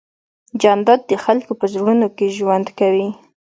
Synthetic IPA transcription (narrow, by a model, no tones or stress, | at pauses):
d͡ʒɑnd̪ɑd̪̚d̪əxalkopəzəɾɡunokeʒwand̪kawi